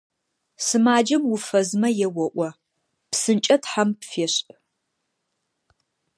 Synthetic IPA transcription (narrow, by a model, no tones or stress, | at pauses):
sɨmaːd͡ʒɐmwʊfɐzmɐjɛwɔʔʷɔ | psɨnt͡ʃʼɐtħampfeːɕ